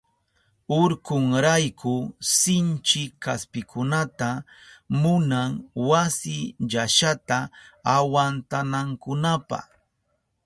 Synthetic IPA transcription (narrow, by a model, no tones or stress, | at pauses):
ʊɾkʊŋɾajkʰʊsɪnt͡ʃɪkaspɪkʰʊnat̪a | mʊnaŋwasɪʎaʃat̪aawant̪anaŋkʊnapa̰χ